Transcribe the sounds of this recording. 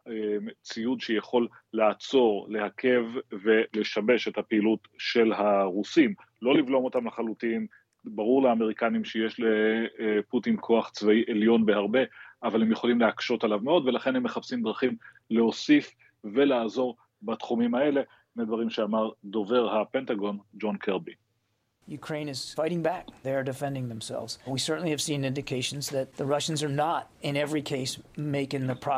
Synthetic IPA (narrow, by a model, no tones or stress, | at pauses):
et͡sijud̪ʃejaχo̞lː | aat͡so̞ʁle̞hakʰe̞vve̞le̞ʃabe̞ʃe̞thapeilut | ʃe̞lɦaʁusim | lo̞livlo̞mo̞t̪amlaχalutin | baʁuʁleame̞ʁikanimʃeje̞ʃleputinkʰo̞aχt͡svaiʔeljo̞nbe̞haʁbe̞avale̞mjeχo̞limleakʃo̞talavmeo̞d̪ve̞laχe̞nhemːeχapsimd̪ʁaχim | leosif | velaːzo̞ʁ | bat̪χumimae̞le̞ | nead̪vaʁimʃeamaʁd̪o̞ve̞ʁhapent̪aɡo̞nd͡ʒo̞nkʰeʁbi | jʉkʰɹ̥ẽɪ̃nɨz̥faɪɾɪ̃ŋbæk̚ðeɪə˞dɨfɛ̃ndɪ̃ŋðə̃msɛ̰lˠvz̥wisɜ˞ʔn̩liɨv̥sĩnɪ̃ndɨkʰeɪʃn̩zðɨt̪̚ðəɹʌʃn̩zə˞nəɾ | ɪ̃nɛvɹikʰeɪsmeɪkɪ̃ŋðɨpʰɹ̥ɑ